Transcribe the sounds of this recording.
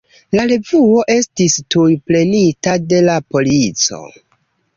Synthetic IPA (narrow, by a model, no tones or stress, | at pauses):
laɾe̞vuo̞ʔe̞stistujple̞nitade̞lapo̞lit͡so̞̰